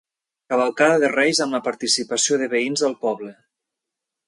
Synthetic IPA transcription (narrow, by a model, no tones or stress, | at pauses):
kaβəlˠkaðəðərɛjzəmləpaɾt̪isipəsioðəβəinzðəlˠpɔβlə